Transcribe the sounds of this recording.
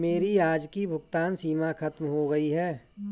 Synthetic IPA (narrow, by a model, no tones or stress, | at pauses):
meːɾijaːd͡ʒkibʱʊɡt̪aːnsiːmakʰɐt̪mɦoɡɐiɦɛː